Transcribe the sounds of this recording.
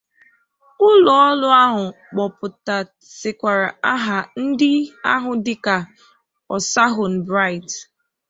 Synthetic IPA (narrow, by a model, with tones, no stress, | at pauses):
ʊ˦lɔ˨ɔ˦lʊ˦a˦ɦʊ˨ | k͡pɔ˨pʊ˨ta˨ | sɪ˨kʷa˨ɾa˨a˦ɦa˨n̩˦dɪ˦a˦ɦʊ˨dɪ˦ka˨ | ɔ˨sa˦ɦʊ˨n̩˨bɾa˦˨ɪ˨t